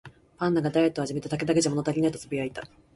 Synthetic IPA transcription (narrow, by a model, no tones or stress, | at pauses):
pãnːaɡad̪ae̞t̪ːoaʑime̞t̪at̪ak̬e̞d̪ak̬e̞d͡ʑamo̞no̞t̪aɾʲinait̪ot͡sɨbʲiait̪a